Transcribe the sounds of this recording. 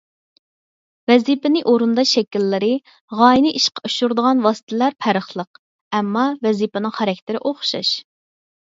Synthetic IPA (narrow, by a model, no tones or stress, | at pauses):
vɛzipɪnɪʔoɾund̪ɑʃɛkʲilːɪɾɪ | ʁɑːjinɪʔiʃqʰɑuʃuɾd̪əʁɑnwɑsɨ̥t̪ʰɪlæɾpʰæɾəχlˠəq̚ | ɛmːɑvɛzipɪnɨŋχæɾɛkʲt̪ʰɪɾɪʔoχʃɑ̰ʃ